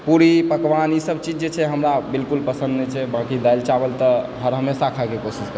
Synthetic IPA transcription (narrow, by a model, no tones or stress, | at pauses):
puɾipəkʋanisəb̚t͡ʃid͡ʒd͡ʒet͡ʃʰɛɦəmɾabilkulpəsə̃nd̪nɛt͡ʃʰɛbãkid̪ajlt͡ʃabəlt̪ɔɦəɾɦəmesakʰakekosiskəɾ